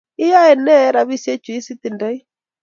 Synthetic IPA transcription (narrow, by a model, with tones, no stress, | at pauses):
ɪ˦ja˦ɛ˨nɛ˦ɾa˨βi˦sjɛ˦t͡ʃwi˦si˦t̪i˨nda˦i˦